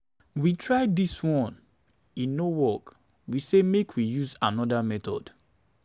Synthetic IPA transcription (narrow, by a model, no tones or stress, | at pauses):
witʰɹaɪdiswɔ̃n | ĩnːowɔk | wisemekʰwijuzanɔdamɛtɔ̰d̥